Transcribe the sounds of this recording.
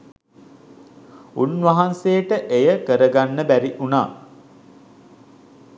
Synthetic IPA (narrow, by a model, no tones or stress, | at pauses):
unʋaɦansejəʈəʔejəkəɾəɡanːəbæɾiʔunaː